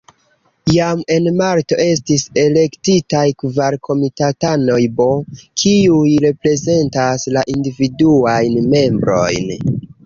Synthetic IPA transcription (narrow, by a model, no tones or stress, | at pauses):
jame̞nmaɾto̞ʔe̞stisele̞ktitajkvaɾkʰo̞mitatano̞jbo̞kʰiujɾe̞pɾe̞ze̞ntaslaʔindividuajnme̞mbɾo̞̰jn